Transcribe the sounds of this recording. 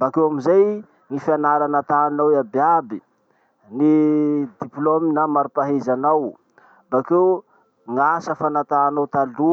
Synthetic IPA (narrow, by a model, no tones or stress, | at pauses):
bakewamizaj | ŋifianaɾanat̪aːnawabiabi | nid̪iplominamaɾupaɦezanaw | mbakew | ŋasəfanat̪aːnawt̪alu